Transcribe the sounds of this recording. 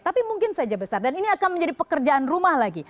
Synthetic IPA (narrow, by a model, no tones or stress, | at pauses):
t̪apimuŋkɪnsad͡ʒabəsardaniniakanməɲd͡ʒadipəkərd͡ʒaʔanrumahlaɡi